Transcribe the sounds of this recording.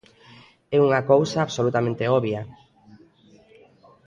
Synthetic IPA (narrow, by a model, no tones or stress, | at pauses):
ɛuŋakowsaːβsolut̪amẽnt̪eɔβja